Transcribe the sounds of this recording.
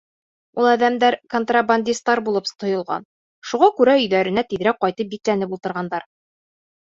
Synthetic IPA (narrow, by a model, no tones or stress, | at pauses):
ulˠæðæmd̪æɾkont̪rabanʲd̪ʲist̪ːɑɾbulˠɤpt̪ŏjŏlˠʁɑ̰n | ʃuʁɑkʉɾæɵ̆jðæɾɘ̆næt̪iðɾæk̚qɒjt̪ɤp̚biklænɘpulˠt̪ɤ̆ɾʁɑnd̪ɑɾ